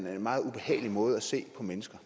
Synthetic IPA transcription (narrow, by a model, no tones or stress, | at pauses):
nenmɑ̈ːð̞̩ˠub̥e̝hɛ̰ːɪlimɔ̽ːð̞̩ˠæse̝̰ːpʰɒ̽menəsɡ̥ɐ